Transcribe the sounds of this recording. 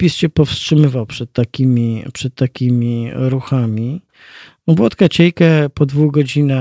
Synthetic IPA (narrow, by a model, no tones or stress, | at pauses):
pʲisɕɛpɔfstʂɘmɘvawpʂɛt̪ːakʲimʲipʂɛt̪ːakʲimʲiɾuxamʲi | bwɔt̪kat͡ɕɛjkɛpɔd̪vuɡɔd͡ʑina